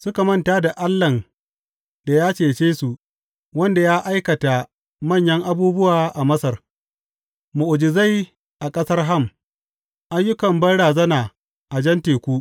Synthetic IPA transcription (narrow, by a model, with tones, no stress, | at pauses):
sʊ˦ka˨mɐ˦˨ntaː˦da˨ʔa˦lːɐ˨n | da˨jaː˦t͡ʃeː˨t͡ʃeː˦su˨ | wɐ˦nda˨jaː˦ʔa˦jkɐ˨ta˨ | mɐ˦˨ɲjɐ˦ŋʔa˦buː˦bʊ˦waː˨ʔa˨mɐ˦sɐ˨r | ʊ˨ʔʊ˨d͡ʒɪ˨za˦˨j | ʔa˨kʼɐ˦sɐ˦rɦa˦˨m | ʔa˦jːʊ˦kɐ˨mbɐ˦nɽaː˨zɐ˦naː˨ | ʔa˨d͡ʒɐ˦nteː˨kʷu˦